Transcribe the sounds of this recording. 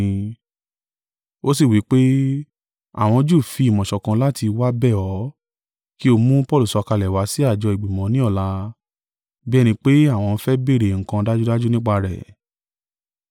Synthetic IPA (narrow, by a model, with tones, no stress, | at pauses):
o˦si˦˨wi˨˦k͡pe˦ | a̰˦˨w̃ɔ̃˧d͡ʒu˦˨fi˨˧i˨mɔ̃˨ʃɔ˨kã˧la˦ti˧wa˦bɛ˦˨ɔ˨˦ | ki˦o˧mũ˦pɔ˦˨lu˨sɔ˧ka˧lɛ˨wa˨˦si˦a˦˨d͡ʒɔ˧i˨ɡ͡bi˨mɔ̃˨˦nĩ˦ɔ˦˨la˧ | bi˦ɛ˦˧nĩ˧k͡pe˦a˦˨w̃ɔ̃˧n̩˦fɛ˦be˦˨ɾe˨ŋ̩˨kã˧da˦d͡ʒu˦da˦d͡ʒu˦nĩ˦k͡pa˧ɾɛ̰˨